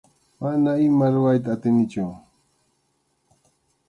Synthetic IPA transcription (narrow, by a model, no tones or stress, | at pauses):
manaɪmaɾʊɾajt̪̬aːt̪ɪnɪt͡ʃʊ